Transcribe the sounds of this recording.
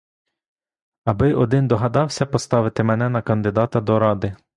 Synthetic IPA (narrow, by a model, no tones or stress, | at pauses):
ɐbɪʔɔd̪ɪnd̪ɔɦɐd̪ɑwsʲɐpɔst̪ɑʋɪt̪ɪmɛnɛnɐkɐnd̪ɪd̪ɑt̪ɐd̪ɔɾɑd̪ɪ